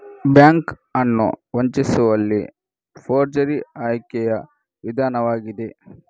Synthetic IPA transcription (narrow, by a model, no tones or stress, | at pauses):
bjaːŋk | ɐnːṵʋoɲt͡ʃisuʋɐlːi | fʰoːɾd͡ʒɐɾiaːjkɛjɐ | ʋid̪ʱaːnɐʋaːɡid̪e